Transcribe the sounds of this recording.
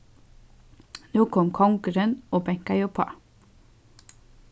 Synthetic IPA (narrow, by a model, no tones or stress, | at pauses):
nuːkʰɔmkʰɔŋɡəɾənoːbɛŋkɑjɔpʰɑ̰